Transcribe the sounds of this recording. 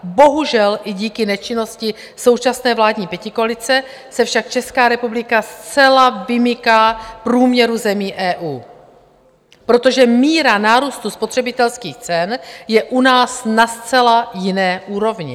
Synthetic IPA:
bo̞ɦuʒɛlʔɪɟiːkɪnɛt͡ʃɪno̞scɪ | so̞wt͡ʃasnɛːvlaːdɲiːpjɛcɪkoalɪt͡sɛ | sɛfʃak̚t͡ʃɛskaːɾɛpublɪkast͡sɛlavɪmɪkaːpɾuːmɲɛɾuzɛmiːʔɛːʔuː | pɾo̞t̪o̞ʒɛmiːɾanaːɾuːst̪uspo̞t̪r̝̥ɛbɪt̪ɛlskiːxt͡sɛnjɛʔunaːsnast͡sɛlajɪnɛːʔuːɾo̞vɲɪ̰

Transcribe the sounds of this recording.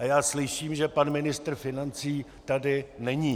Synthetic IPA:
ʔajaːslɪʃiːmʒɛpanmɪnɪst̪r̩fɪnant͡siːt̪adɪnɛɲiː

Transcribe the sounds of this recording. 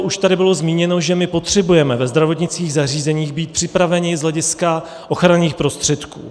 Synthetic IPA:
ʔuʃt̪adɪbɪlo̞zmiːɲɛno̞ʒɛmɪpo̞t̪r̝̥ɛbujɛmɛvɛzd̪ɾavo̞t̪ɲɪt͡skiːɣzar̝iːzɛɲiːɣbiːt̪̚pr̥ɪpɾavɛɲɪzɦlɛɟɪska | ʔoxɾaniːxpɾo̞st̪r̥ɛt̪kṵː

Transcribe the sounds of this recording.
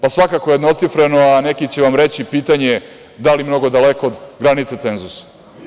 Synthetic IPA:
pasʋakakojed̪no̞t̪sifɾenoanekit͡ɕeʋamɾe̞t͡ɕipiːt̪aɲe | d̪alimno̞ɡo̞d̪alekoːd̪ɡɾanit̪set̪se̞nzusḁ

